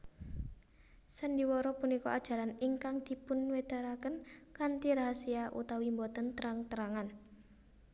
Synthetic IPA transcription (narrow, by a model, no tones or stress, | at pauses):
səndiwɔɾɔpunikɔ̰ad̥ʒ̥a̤ɾanɪŋkaŋd̪̥i̤pʊnwed̪̥aɾakənkant̪iɾaɦasiaʔṵt̪awimbɔt̪ənt̪əɾaŋt̪əɾaŋan